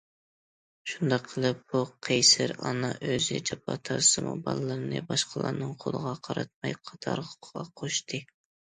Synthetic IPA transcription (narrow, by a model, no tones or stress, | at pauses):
ʃund̪ɑqʰːəlˠɨp̚b̥uqʰejsɪɾɑnɑʔøzjɛt͡ʃʰɑpʰɑt̪ʰɑɾsɨmṵbɑlˠɨlˠɨɾɨnɨbɑʃqʰəlˠɑ̰ɾnɨŋqʰolˠəʁɑqʰɑɾɑt̪̚mɑjqʰɑ̥t̪ʰɑɾʁʁɑqʰoʃt̪ʰɨ